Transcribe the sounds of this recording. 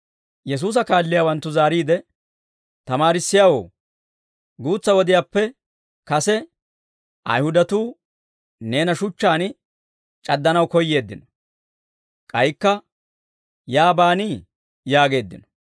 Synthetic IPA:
jɛs̬uːs̬ɐkaːlːɪjawɐnt̪ːʊzaːɾiːd̪ɛ | t̪ɐmaːɾɪsːɪjaːwo̰ː | ɡuːt͡sːɐwɔd̪ɪjaːpːɛ | kɐsɛ | ʔɐ̰jhʊd̪ɐt̪uː | ne̞ːnɐʃʊt͡ʃːaːn | t͡ʃʼɐd̪ːɐnɐwkɔjːe̞ːd̪ːɪnɔ̥ | kʼɐjkːɐ | jaːbaːniː | jaːɡe̞ːd̪ːɪnɔ̥

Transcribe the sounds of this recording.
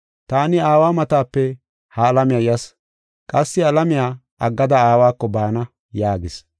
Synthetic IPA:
t̪aːnɪaːwaːmɐt̪aːpːɛ | hɐːlɐmɪjajɐs | kʼɐsːɪɐlɐmɪjaː | ʔɐɡːɐd̪ɐaːwaːkːɔbaːnɐ | jaːɡɪs

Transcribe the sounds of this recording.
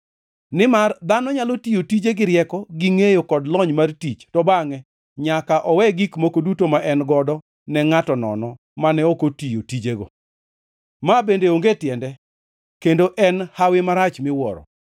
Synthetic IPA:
nɪmard̪anɔɲalotijotid͡ʒeɡɪɾjɛkɔɡiŋejokɔdlɔɲmartit͡ʃtɔbaŋɛ | ɲakaʔɔwɛɡikmokodutomaʔɛnɡɔdɔ | nɛŋatɔnɔ̰nɔ | manɛokotijo̰tid͡ʒeɡo̰ | mabendeoŋɡetjɛndɛ | kendoʔɛnhawɪmaɾat͡ʃmɪwɔ̰ɾɔ̰

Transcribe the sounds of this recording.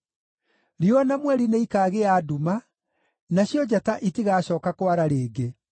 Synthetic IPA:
ɾianamwɛɾineikaːɣeaːduma | naɕjɔd͡ʑataʔitiɣaːɕɔːkakwaɾaɾeːɡe

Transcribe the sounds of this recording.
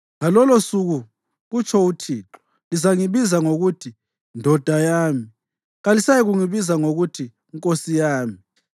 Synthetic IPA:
ŋalɔlosuɣu | ɣut͡ʃʰɔutʰiːǁɔ̥ | lizaŋiβizaŋoɣutʰi | ndʱɔd̥ʱajaːmi | ɣalisajiɣuŋiβizaŋoɣutʰi | ŋkʼosijaːmi

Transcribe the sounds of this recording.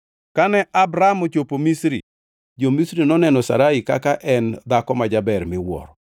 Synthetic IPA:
kanɛʔabɾamot͡ʃopomisɾḭ | d͡ʒomisɾinɔnɛnɔsa̰ɾaikakaʔɛnd̪akɔmad͡ʒabɛɾmɪwɔ̰ɾɔ

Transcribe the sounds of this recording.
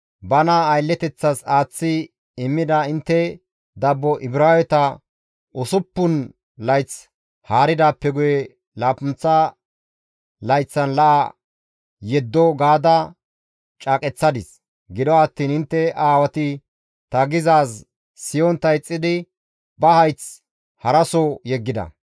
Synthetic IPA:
bɐnɐːjlːɛt̪ɛt͡sːɐsaːt͡sːɪ | ɪmːɪd̪ɐɪnt̪ːɛ | d̪ɐbːɔʔɪbɾaːwɛt̪ɐ | ʊsʊpːʊn | lɐjt͡s | haːɾɪd̪aːpːɛɡʊjɛ | laːpʊnt͡sːɐ | lɐjt͡sːɐnlɐʔa | jɛd̪ːɔɡaːd̪ɐ | t͡ʃʼaːkʼɛt͡sːɐd̪ɪs | ɡɪd̪ɔɐt̪ːiːnɪnt̪ːɛaːwɐt̪ɪ | t̪ɐɡɪzaːsː | ɪjɔnt̪ɐjt͡sʼːɪd̪ɪ | bɐhɐjt͡s | hɐɾɐsɔjɛɡːɪd̪ɐ̰

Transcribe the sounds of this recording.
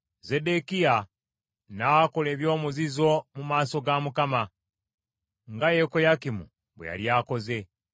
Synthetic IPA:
ze̞de̞kia | nakole̞ːβjo̞ːmuzizo̞mumaːso̞ɡamukama | ŋɡajeko̞jakimṵ | βwḛja̰ljaːko̞ze̞

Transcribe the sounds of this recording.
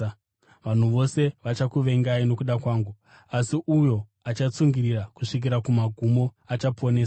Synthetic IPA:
ʋan̤uʋo̞se̞ʋat͡ʃakuʋe̞ŋɡaino̞kuɗakwaːŋɡu | asiʔujo̞ | at͡ʃat͡suŋɡirirakuʂik̬iɾakumaɡʱumo̞at͡ʃapo̞ne̞ːs

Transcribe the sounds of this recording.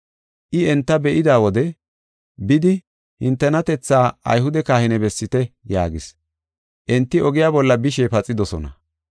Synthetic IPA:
ʔɪɛnt̪ːɐbɛʔɪd̪aːwɔd̪ɛ | bɪd̪ɪ | hɪnt̪ːɛnɐt̪ɛt͡sːaːɐ̰jɦʊd̪ɛkaːhɪnɛbɛsːɪt̪ɛjaːɡɪs | ʔɛnt̪ːɪɔɡɪjaːbɔlːɐbɪʃeːpɐt͡sʼːɪd̪ɔsɔnɐ

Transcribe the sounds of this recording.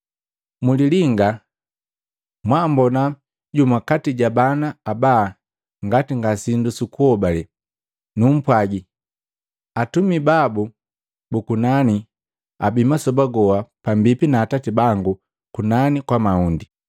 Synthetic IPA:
muliliŋɡa | mwambɔna | ɟumakatiɟabanaːba | ŋɡatiŋɡasindusukuhɔbalɛ | num̩pwaɟi | atumibabu | bukunani | a̰bimasɔbaɡɔwapambipinaːtatibaŋɡu | kunanikwamaundi

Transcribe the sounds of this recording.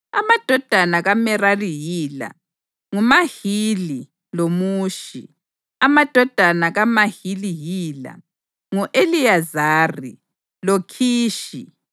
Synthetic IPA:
a̰mad̥ʱɔd̥ʱanaɣamɛrarijiːla̰ | ŋumahili | lomuːʃḭ | amad̥ʱɔd̥ʱanaɣamahilijiːla̰ | ŋuʔelijazaːrḭ | lokʰiːʃi

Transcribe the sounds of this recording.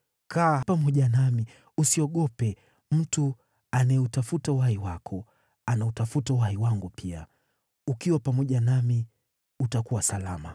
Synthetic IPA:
kapamɔʄanami | usiɔɠɔpɛ | m̩tu | anajɛutafutauhaiwakʰɔ | anautafutauhaiwaŋɡupʰia̰ | ukiwapamɔʄanami | utakuwasalama̰

